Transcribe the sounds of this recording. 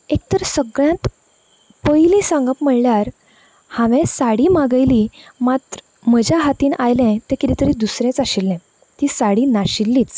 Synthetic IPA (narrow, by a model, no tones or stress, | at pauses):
ek̚t̪əɾsəɡɭjãt̪ | pəjlĩsãŋɡapm̤əɭljaɾ | hãʋɛ̃saɽimaɡəjlimat̪ɾə | m̤əd͡ʑjaɦat̪iːnʔajlɛ̃t̪ɛ̃kit̪it̪əɾiːd̪usɾɛ̃t͡saɕilːɛ̃ | t̪iːsaɽinaɕilːiːt͡s